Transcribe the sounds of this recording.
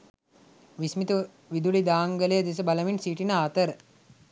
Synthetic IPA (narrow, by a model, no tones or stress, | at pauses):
ʋismit̪u | ʋid̪ulid̪aːŋɡələjəd̪es̬əbaləʋinsiːʈinəaːt̪əɾə